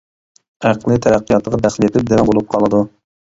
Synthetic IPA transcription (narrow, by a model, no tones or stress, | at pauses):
æqʰlˠɨt̪ʰɛɾæqʰːijɑt̪əʁɑd̪æχlɪet̪ʰɪp̚d̪ɛnɛbolˠup̚qʰɑlˠɨd̪u